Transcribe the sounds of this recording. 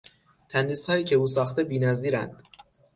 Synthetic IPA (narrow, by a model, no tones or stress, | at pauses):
t̪ʰænd̪iːshɒːjiːcʰe̞uːsɒːxt̪e̞biːnæziːɾæ̰nd̪̥